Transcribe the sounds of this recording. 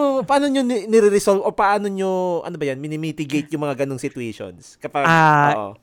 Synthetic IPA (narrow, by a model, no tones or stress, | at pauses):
ʔopɐʔaːnoɲonnɛɾiɾɪsolbʔopɐʔaːnoɲoʔɐ̰nobɐjanmɪnɪmiːt̪ɪɡejt̪̚jʊŋmɐŋaɡɐnoŋsɪt̪weʃo̰nskɐpɐɡo̰ʔo̰